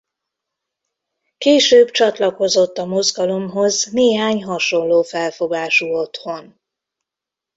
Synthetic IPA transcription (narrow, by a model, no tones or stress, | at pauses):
keːʃøːbt͡ʃɒt̪lɒko̞zo̞t̪ːɒmo̞zɡɒlo̞mɦo̞zneːɦaːɲɦɒʃo̞nloːfɛlfo̞ɡaːʃuːo̞t̪ho̞n